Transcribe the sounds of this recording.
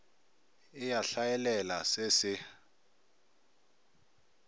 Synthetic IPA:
ɪjaɬajɛlɛlasesɪ

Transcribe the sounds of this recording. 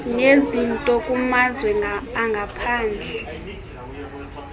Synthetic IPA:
nezintʼɔkʼumazwɛːŋɡʱapʰaːnd͡ɮʱɛ

